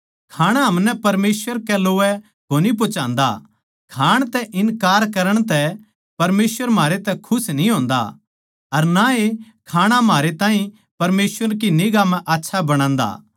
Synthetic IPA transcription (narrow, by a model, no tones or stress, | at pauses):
kʰaːɽ̃aɦɐmnɛpɐɾmeːsʋəɾkɛloːɛ | ɡoːnip̬ot͡ʃãːnd̪a̰ | kʰaːɽ̃t̪ɛʔɪnkaːɾkɐɾəɽ̃t̪ɛ | pɐɾmeːsʋəɾmaːɾet̪ɛkʰʊsnĩɦõːnd̪a̰ | ɐɾnae | kʰaːɽ̃amɦaːɾet̪ãːɦĩ | pɐɾmeːsʋəɾk̬inɪːɡamɛ̃ʔaːtːʃʰabɐɽ̃ãːnd̪a̰ː